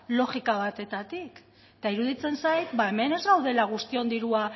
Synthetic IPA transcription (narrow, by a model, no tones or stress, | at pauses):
lo̞ɣikaβ̞at̪e̞t̪at̪ik | t̪aiɾuðit͡se̞nsajt̪βae̞me̞ne̞zɣawðe̞laɣ̞ust̪io̞nd̪iɾua